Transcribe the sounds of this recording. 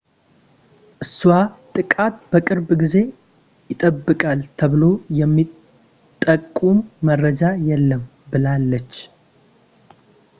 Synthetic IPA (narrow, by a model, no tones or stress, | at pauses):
ʔɨswat̪ʼɨkʼat̪b̥əkʼɨɾbɡize̞ | jɪt̪ʼəbːɨkʼalt̪ʰəβɨlo̞jɛmːi | t̪ʼːəkʼːumːərːəd͡ʒajɛlːəm | bɨlalːət͡ʃː